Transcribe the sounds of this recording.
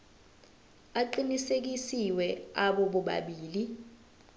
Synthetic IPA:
aǃinisek̬isiwɛaɓɔɓɔɓa̰ɓiːli

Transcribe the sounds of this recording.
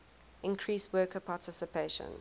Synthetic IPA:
ʔɪ̃nkʰɹiːˑswɜˑkəpʰɑːtʰɪsɪpʰeɪʃə̰̃n

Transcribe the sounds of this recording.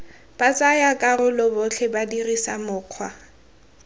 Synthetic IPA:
b̥at͡sʼajakʼarʊlɔbʊɬʰɛbadirisamʊːq͡χʰwa

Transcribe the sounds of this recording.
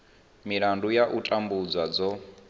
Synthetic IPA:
miɺandujaʔutʼambud͡zwad͡zɔ

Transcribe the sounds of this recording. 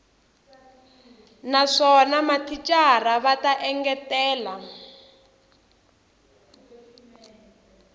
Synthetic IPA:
naʂɔnamatʰit͡ʃʼaraβataʔɛŋɡɛtɛːla

